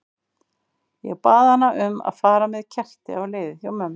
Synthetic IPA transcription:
jɛɣpaːðanːaʔʏma̰ðfaːɾamɛðcʰɛr̥t̪ɪ̰awleːðɪθjawmʏm

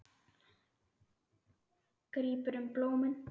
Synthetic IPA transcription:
kɾiːpəɾəmplomən

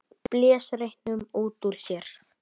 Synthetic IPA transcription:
pljɛːsɾejhnʏmuːt̪uɾ̥sjɛɾ̥

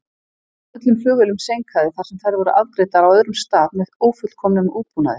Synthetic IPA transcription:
œt̪lʏmfœːɣʏlʏmsejŋkʰaðɪθaɾ̥sɛmθaɾvɔɾʏʔaðk̪ɾeːjt̪aɾawœðɾʏmst̪aːðmɛðoːwfʏt̪kʰɔmnʏmuːpuːna̰ðɪ

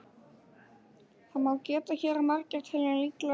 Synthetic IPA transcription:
θaðmaːwcɛːt̪açɛːɾamar̥cɛɾ̥t̪ʰɪlɛlit̪la

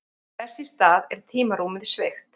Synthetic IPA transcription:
θɛsɪst̪aːðɛɾ̥t̪ʰiːmaɾuːmɪðɪ̥svɪxt̪

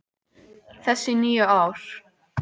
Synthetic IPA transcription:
θɛsːɪniːʏaːwɾ̥

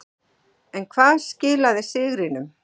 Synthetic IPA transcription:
ɛnkʰvaːðscɪːlaðɪsɪɣɾɪnʏm

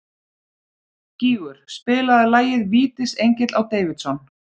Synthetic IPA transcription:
ciːɣʏɾ̥spɪːlaðɪlaːjɪðviːt̪ɪsejɲcɪt̪lawt̪eːjvɪt̪sɔn

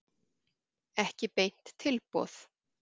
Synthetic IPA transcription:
ɛhcɪpejn̥t̪ʰːɪlpɔ̰ːθ

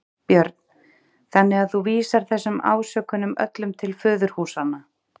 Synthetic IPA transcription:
pjœɾt̪n | θanːɪaðθuviːsaɾ̥θɛsːʏma̰ːwsœːkʏnʏmœ̰t̪lʏmt̪ʰɪlfʏːðʏɾ̥huːsanːa

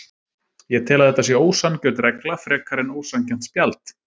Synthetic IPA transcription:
jɛt̪ʰɪːlaðhɛt̪ːasjɛoːwsancœːt̪ɾɛklafɾɛːkʰaɾɪnoːwsancɛm̥t̪spjalt̪

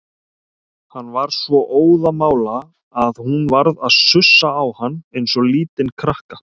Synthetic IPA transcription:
hanːvaɾ̥svɔʔoːwðamaːwlaː | ðhunvaɾðaðsʏsːaːwhanːejnsɔliːt̪ɪnkʰɾahkḁ

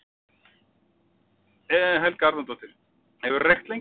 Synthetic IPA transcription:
ɛɦɛlkaaɾðant̪ɔht̪ɪɾ̥ | hɛvʏɾrɛxt̪lejŋ

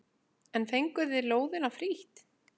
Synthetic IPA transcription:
ɛnθejŋkʏðɪloːwðɪnafɾiht̪

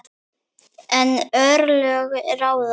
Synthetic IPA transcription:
ɛnœɾlœɣɾaːwð

